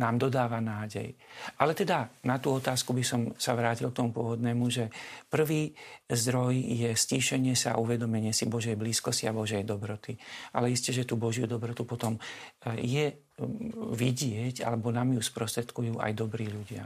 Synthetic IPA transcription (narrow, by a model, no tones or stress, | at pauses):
naːmd̪ɔd̪aːʋanaːɟɛ̰jʔalɛt̪ɛd̪anat̪uːɔt̪aːskubisɔmsaʋɾaːcilk̚t̪ɔmupʊɔʋɔd̪nɛːmuʒɛpr̩ʋiːzd̪ɾɔjjɛsciːʃɛɲɪɛsa̰ʔuʋɛd̪ɔmɛɲɪɛsibɔʒɛjbliːskɔsciabɔʒɛjd̪ɔbɾɔt̪iʔa̰lɛiscɛʒɛt̪uːbɔʒɪjud̪ɔbɾɔt̪upɔt̪ɔmjɛ | ʋiɟɪɛɟa̰lɛbɔnaːmjuspɾɔst̪ɾɛt̪kujuːʔa̰jd̪ɔbɾiːʎuɟɪa̰